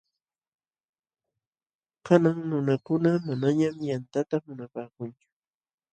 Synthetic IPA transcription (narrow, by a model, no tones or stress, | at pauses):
kanaŋnʊnakʊnamanaɲamjant̪at̪amʊnapaːkʊnt͡ʃʊ̥